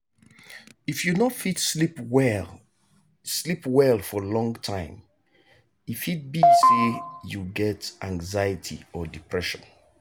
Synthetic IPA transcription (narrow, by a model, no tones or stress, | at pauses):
ifjunɔtfitsip | slipwɛlfɔlɔ̃ŋtʰãɪ̃m | ifit̚biɡsejuɡɛtʔãŋɡzaɪətʰḭɔdipʰɹɛʃɔ̰̃n